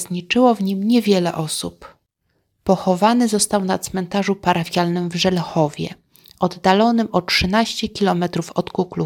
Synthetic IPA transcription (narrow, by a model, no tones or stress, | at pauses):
ɲit͡ʂɘwɔvɲimɲɛvʲjɛlɛʔɔsupː | ɔxɔvanɘzɔst̪awnat̪smɛnt̪aʐupaɾafʲjalnɘmvʐɛlxɔvʲjɛ̰ | ʔɔd̪ːalɔnɘmʔɔtʂɘnaɕt͡ɕɛkʲilɔmɛt̪ɾufɔt̪kuklu